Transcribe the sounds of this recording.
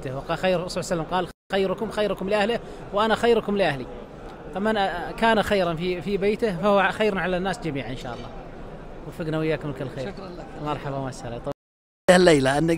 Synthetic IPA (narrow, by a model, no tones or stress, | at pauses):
t̪ɪhwɑxajːɾsˤʕsalːamqɑːl | xajːɾʊkʊmxajɾkʊmlɪʔahlɪh | wʔanaxajːɾkʊmlɪʔahli | t̪ˤɑmankaːnaxajɾˤanfifibeːt̪ɪhfahwaxajːɾnʕalanːaːsd͡ʒamiːʕʔɪnʃa̰ːʔɑlˤːɑ̰ːwɪfɪɡnawɪjːaːkʊmkɪlxeːmɑɾˤħɑbawmaʃɑɾa̰t̪ˤɑ | hɪlːejlaʔɪnːa